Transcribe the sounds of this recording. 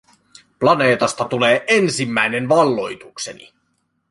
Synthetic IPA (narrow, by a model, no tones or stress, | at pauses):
plɑne̞ːt̪ɑst̪ɑt̪ule̞ːʔensimːæjne̞nʋɑlːo̞jt̪ukse̞nḭ